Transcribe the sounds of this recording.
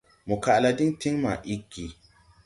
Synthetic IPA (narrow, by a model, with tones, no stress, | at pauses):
mu˨ka˨la˨di˦ŋti˦ŋma̰˨ʔi˦kːi˨